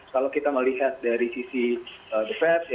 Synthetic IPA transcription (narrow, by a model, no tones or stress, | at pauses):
kalawkit̪aməliɦat̪̚daɾisisiədəfɛp